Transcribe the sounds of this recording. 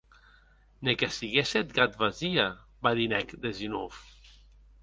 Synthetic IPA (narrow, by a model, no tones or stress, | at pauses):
nekesiɣeset̪ɡat̪βazia | baðinɛkd̪ezino̰f